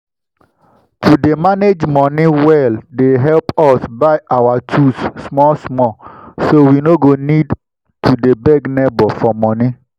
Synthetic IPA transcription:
tʰudemaned͡ʒmɔniwɛldeɦɛlpɔsbaɪʔawatʰusːmɔsmɔsowinoɡonid | tʰudebɛɡnɛbɔfɔmɔni

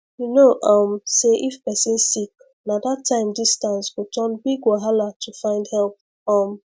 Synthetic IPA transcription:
junoʔʌmseʔifpɛsĩnsik̚ | nadatʰːãɪ̃mdistãnsɡotʰɔnbiɡoɦalatʰufãɪ̃ndhɛlp̚ | ɔm

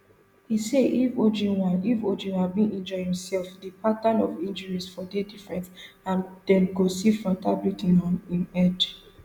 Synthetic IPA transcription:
hiseifod͡ʒĩnwãnifod͡ʒĩnhabĩnĩnd͡ʒɔhĩmsɛlfdipʰatanɔvĩnd͡ʒəɹisfɔdedifɹɛ̃ns | ãndɛ̃nɡosifɹɔ̃mtʰablutĩnɔ̃nĩnɛd͡ʒ

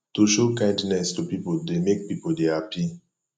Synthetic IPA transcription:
tuʃokãɪ̃ndnɛstupipodemek̚pipoldɛapʰi

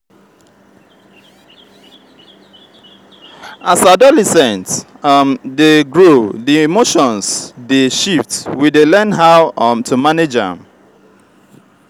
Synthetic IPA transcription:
asadɔlɛsɛ̃nt | mdeɡɹoðiimoʃɔ̃nsdeʃiftwidelɛ̃nɦaʊmtʰumaned͡ʒə̰̃m

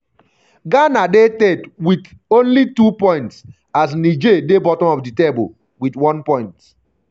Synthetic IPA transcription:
ɡanadetedwit | õnlitupɔ̃ɪ̃nts | as̬nid͡ʒedebɔtɔ̃mɔfditebo̰ | witwɔ̃npɔ̃ɪ̃nt

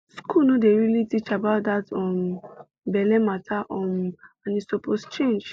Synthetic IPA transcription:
skunõdeɹilitit͡ʃabaʊt̚datɔ̃m | bɛlɛmatʰaʔɔ̃mãnĩsɔpɔst͡ʃẽnd͡ʒ

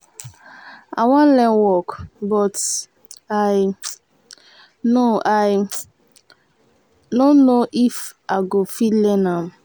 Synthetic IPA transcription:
a̰wãnlɛwɔkbɔt | aɪ | noʔaɪ | don̩ːoʔifaɡofilenam̩

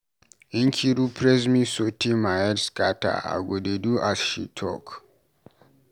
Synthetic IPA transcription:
iŋkʲʰiɾupʰɾɛs̬mĩsotʰimaɛdskata̰a̰ɡodeduʔasʃḭtʰɔ̰k

